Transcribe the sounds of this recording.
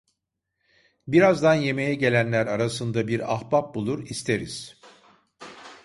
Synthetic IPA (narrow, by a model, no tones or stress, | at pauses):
biɾazd̪anje̞me̞jɛɟe̞lʲænlʲæɾaɾasɯnd̪abiɾa̰xbap̚bulˠuɾist̪ʰe̞ɾiz̥